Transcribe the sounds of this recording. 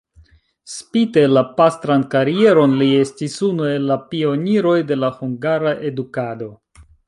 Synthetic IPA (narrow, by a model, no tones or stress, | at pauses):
spite̞lapastɾankaɾie̞ɾo̞nlie̞stisunue̞lːapio̞niɾo̞jde̞lahuŋɡaɾaʔe̞dukado̞